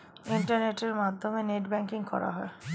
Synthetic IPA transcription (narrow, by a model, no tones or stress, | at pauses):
iɳʈaɾneʈeɾmad̪ʱːomeneʈbɛŋkiŋkɔ̰ɾa̰ɦɔe